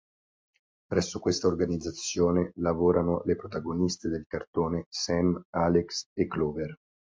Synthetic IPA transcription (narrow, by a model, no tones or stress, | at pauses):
pɾɛsːokwest̪aorɡanid̪zːat̪sːjoːnelavoːɾanolepɾot̪aɡonist̪ed̪elkart̪oːnesɛmaːleksekːlɔːver